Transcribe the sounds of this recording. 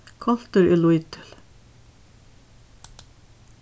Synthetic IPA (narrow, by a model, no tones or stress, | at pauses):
kʰɔl̥t̪əɾɪ̰lujt̪ʰɪ̥l̥